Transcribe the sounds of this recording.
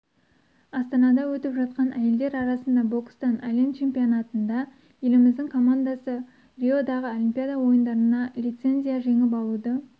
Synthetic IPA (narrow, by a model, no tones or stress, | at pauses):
ɑst̪ɑnɑd̪ɑwɵt̪ɪpʒɑt̪̚qɑnʔæje̞ld̪e̞ɾɑɾɑsənd̪ɑbo̞kst̪ɑnalʲent̪t͡ʃʰe̞mpijo̞nɑt̪ənd̪ɑ | je̞lɪmɪzd̪ɪŋkʰo̞mand̪asə | rʲio̞d̪ɑʁəo̞lʲimpʲijad̪awo̞jənd̪ɑɾənɑlʲijt̪se̞nzʲijaʒe̞ŋɪp̬ɑlˠud̪ə